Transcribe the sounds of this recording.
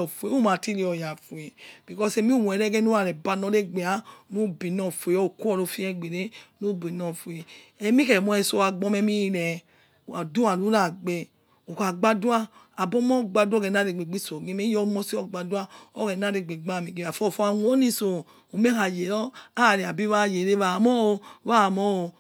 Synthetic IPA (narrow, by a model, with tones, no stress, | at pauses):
ɔ˨fu˨e˨˦u˦ma˨ti˦ɾi˧ɔ˨ja˨fu˨e˨b̥i˨kɔ˦se˧mi˦u˦wu˨ɛ˨ɾɛ˦ɡɛ˦nu˦a˨ɾɛ˨ba˧nɔ˧˦ɾe˦ɡ͡be˨a˨˦no˦bi˨nɔ˨fu˨e˨ɔ˦˨ku˦ɔ˦˨ɾo˧fi˦ɛ˦˨ɡ͡be˨ɾe˦no˦bi˨nɔ˧˨fwe˨ɛ˨mi˦kɛ˨mɔ˧ɛ˧so˧a˧ɡ͡bɔ˧˦mɛ˧mi˦˧ɾɛ˨ | a˨du˦a˨lu˦ɾa˦˨ɡ͡be˧ | o˨ka˨ɡ͡ba˦du˦a˦ | a˨bɔ˦mɔ˦˨ɡ͡ba˧dɔ˦ɡɛ˨na˦˨ɾe˨ɡ͡be˨ɡ͡bi˦so˨ɡe˦me˦jɔ˦mɔ˦si˦ɔ˦ɡ͡ba˨du˦a˦ɔ˦kɛ˨na˦˨ɾe˨ɡ͡be˨ɡ͡ba˦˨mi˨ɡe˨a˨fɔ˦˨fɔ˦a˦nʷ˦o˦ni˧so˨ | o˨me˦ha˨je˨ɾɔ˦a˦˨ɾi˨a˨bi˦βa˦˨je˨ɾe˦βa˧˨mɔ˦o˧wa˦˨mɔ˦o˧